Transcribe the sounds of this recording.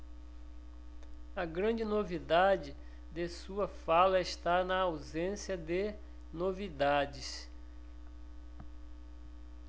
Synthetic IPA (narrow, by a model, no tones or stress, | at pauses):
ɐɡɾɐ̃d͡ʒɪnovid̪ad͡ʒɪ | d̪esuɐfalɐeʃt̪anɐawzẽsjɐd̪e | novid̪ad͡ʒɪs